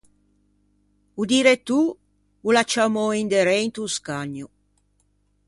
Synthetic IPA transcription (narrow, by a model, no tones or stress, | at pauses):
ud̪iːɾet̪u | ulat͡ʃːamoind̪eɾɛjnt̪uskaɲːu